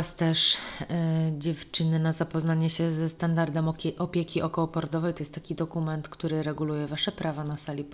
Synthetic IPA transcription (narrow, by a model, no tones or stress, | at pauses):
ast̪ɛʂ | d͡ʑɛft͡ʂɘnɘnazapɔznaɲɛɕɛzɛst̪and̪aɾd̪ɛmʔɔpʲjekʲiʔɔkɔwɔpɔɾd̪ɔvɛjt̪ɔjɛst̪t̪ːḁkʲid̪ɔkumɛnt̪kt̪uɾɘɾɛɡulujɛvaʂɛpɾʔavanasalʲi